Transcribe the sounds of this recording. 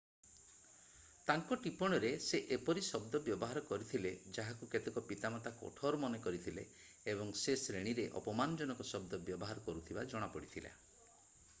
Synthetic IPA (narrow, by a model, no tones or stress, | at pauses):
t̪aŋkɔʈipɔɽ̃ɔɾeseʔepɔɾisɔb̚d̪ɔbjɔbɔɦaɾɔkɔɾit̪ʰiled͡ʒaɦakuket̪ekɔpit̪amat̪akɔ̰ʈʰɔɾmɔnekɔɾit̪ʰileː | bɔŋsesɾeɽ̃iɾeʔɔ̰pɔmanɔd͡ʒɔnɔkɔsɔb̚d̪ɔbjɔbɔɦaɾɔkɔɾut̪ʰibad͡ʒɔɽ̃apɔɽit̪ʰila̰